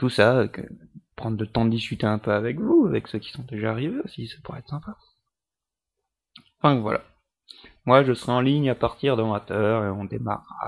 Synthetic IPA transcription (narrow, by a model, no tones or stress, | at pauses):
t̪usakə̰pχɑ̃d̪ʁlət̪ɑ̃d̪əd̪iskʲyt̪eɛ̃pøavɛkvuavɛksøkʲi̥sɔ̃d̪eʒaːʁiveosisḁpuʁɛ̰ɛt̪χsɛ̃pa | ɑ̃fɛ̃vwa̰lʔa̰ | mwaʒəsəʁɛɑ̃liɲapaʁt̪iʁd̪ɑ̃mat̪œːʁeɔ̃d̪ema̰ʁːa̰